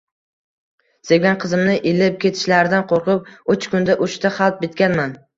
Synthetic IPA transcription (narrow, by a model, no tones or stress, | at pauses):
seɡʲanqʰɨzɪmnɪʔelɪp̚kʲʰe̞t̪ʰɪ̥ʃlaɾɪd̪anqʰoɾqɨp̚ʊt͡ʃkʰʊnd̪aʔʊʃt̪aχɑlˠp̪̚bɪt̪kʲanman